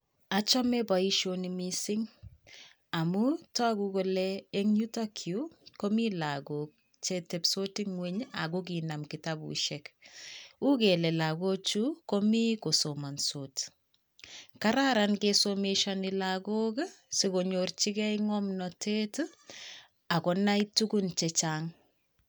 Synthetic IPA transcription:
at͡ʃɔmebaiʃonimisɪŋ | amutɔkukolɛːŋɲutakʰjukomilaɡok̚ | t͡ʃetepsotiŋweɲa̰ɡok̬inamkitabṵʃɛk | ukelɛlaɡot͡ʃukomikosomansot | kaɾaɾankesomeʃanilaɡoksikoɲort͡ʃikɛiŋɔmnɔtʰet | akɔnaitukunt͡ʃɛt͡ʃaŋ

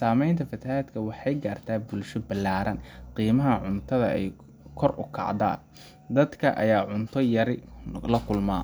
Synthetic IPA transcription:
saːmɛjnt̪ʰɐfɐt̪ʰɐhaːd̪kʰɐwɑħɑjɡaːrt̪ʰaːbʊlʃɔbɐlːaːɾɐnqiːmɐɦɐʕʊnt̪ʰɐðɐɛ̰j | kʰɔrʊ̰kʰɑ̰ʕd̪a̰ːn | d̪ɐd̪kʰɐ̰ʔɐ̰jaːʕʊnt̪ʰɔjɐɾɪlɐkʰʊlmaː

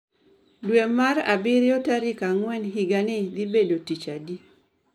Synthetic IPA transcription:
dwemaɾa̰bɪɾjɔtaɾikaŋwɛnɦiɡanɪd̪ibedotit͡ʃadi

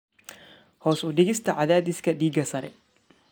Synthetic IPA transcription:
hɔːsʊd̪ɪɡɪst̪ɐʕaðaːd̪ɪskɐd̪iːɡɐsɐɾɛ̰

